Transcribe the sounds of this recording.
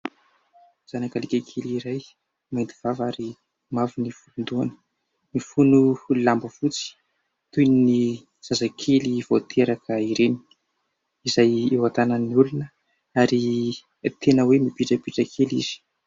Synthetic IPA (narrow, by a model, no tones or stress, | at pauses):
z̥anakalikʲakʰeliɾaj | majnd̪iv̥avaɾi | mavinifund̪uanə̥ | mifunulambəfut͡si̥ | t̪ujnini | z̥azakʰelivot̪ʰeɾakʰəiɾeni̥ | izajewat̪anəniulunə | aɾi | t̪ʰenəwemipiʈ͡ʂəpiʈ͡ʂəkʰelḭz̥i̥